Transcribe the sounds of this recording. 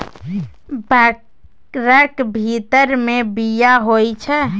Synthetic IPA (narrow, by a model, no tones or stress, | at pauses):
b | ɾəkbʱit̪əɾmebijaɦojt͡ʃʰɛ